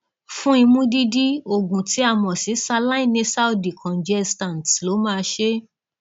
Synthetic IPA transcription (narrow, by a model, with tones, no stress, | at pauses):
fũ˦i˧mũ˦di˦di˦o˦˨ɡũ˨ti˨˦a˦˨mɔ̃˨si˨˦sa˧la˦i˦˨nĩ˧sa˦wdi˨kʰɔ̃˨n˨d͡ʒɛ˦stã˨ntlo˨˦mãː˦˧ʃe˦